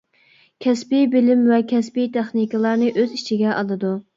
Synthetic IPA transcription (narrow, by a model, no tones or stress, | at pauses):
kʲʰɛspibɪlɪmvɛkʲʰɛspijt̪ʰeχnikɨlˠɑɾnɨʔøzit͡ʃʰiɡʲɛʔɑlˠɨd̪u